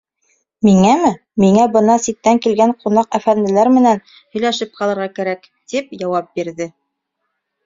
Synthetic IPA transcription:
miŋæmɘ | miŋæbɤ̆nɑsit̪ːæŋkilɡæɴqunɑqæfænd̪ɘ̆læɾmɘ̆næn | hɵ̆jlæʃɘp̚qɑlˠɤ̆ɾʁɑkæɾæk | t̪ip̚jɑwɑp̚biɾðɘ

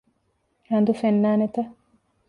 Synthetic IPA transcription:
ɾɐnd̪ufenːaːnet̪ɐ

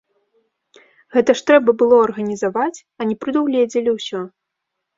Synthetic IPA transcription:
ɣɛt̪ɐʂt̪ɾɛbɐbɨlˠɔɐrɣɐnʲizavat͡sʲ | ɐnʲɛpɾɨd̪uwlʲɛd͡zʲɛlʲiwsʲɔ

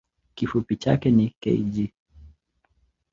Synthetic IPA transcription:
kifupit͡ʃa̰kɛnikɛ̰id͡ʒi

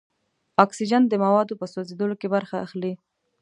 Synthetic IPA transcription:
ɑksid͡ʒand̪əmawɑd̪opəsozed̪olokebaɾxaa̰xli

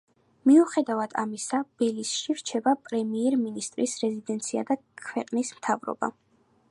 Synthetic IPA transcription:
miuχɛd̪avad̪̥a̰misab̥ɛlisʃiɾt͡ʃʰɛbapʼɾɛmiɛɾminist̪ʼɾisɾɛzid̪ɛnt̪sʰia̰d̪akʰwɛqʼnismt̪ʰavɾɔ̰ba̰

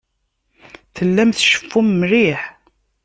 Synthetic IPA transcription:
θəlːæmθʃə̥fːumːɾiħ

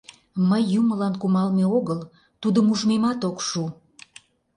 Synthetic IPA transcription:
məjːuməlɑnkumɑlmeoɣəl | t̪ud̪əmuʒmemɑt̪okʃu

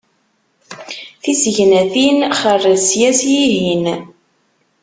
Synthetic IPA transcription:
θisʝnæθinχərːəsjæsjiɦin

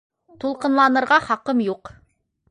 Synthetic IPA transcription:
t̪ulˠqɤ̆nlˠɑnɤ̆ɾʁɑχɑqɤmjuq

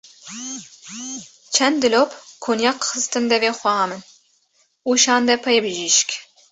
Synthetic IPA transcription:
t͡ʃʰɛnd̪d̪ɨlopkʰonjɑqxɨst̪ɨnd̪ɛveːxʷɛɦɑmɨn | uʃɑːnd̪ɛpʰɐjbɨʒiʃk

